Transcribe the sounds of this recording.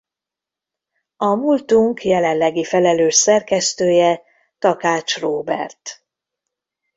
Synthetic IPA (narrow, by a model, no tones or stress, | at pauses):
ɒmult̪uŋkjɛlɛnlːɛɡifɛlɛløːʃsɛrkɛst̪øːjɛ | t̪ɒkaːt͡ʃroːbɛ̰rt̪